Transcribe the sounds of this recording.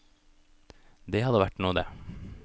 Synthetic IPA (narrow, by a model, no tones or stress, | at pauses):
d̪eːhɑd̪əʋæʈnuːəd̪ḛː